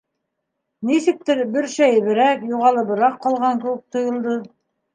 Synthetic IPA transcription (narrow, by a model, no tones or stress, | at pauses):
nisɘ̆k̚t̪ɘɾbɘɾʃæjɘβɘ̆ɾækjuʁɑlˠɤbŏɾɑqːɑlˠʁɑŋkɘ̆wɘk̚t̪ŏjŏlˠd̪ɤ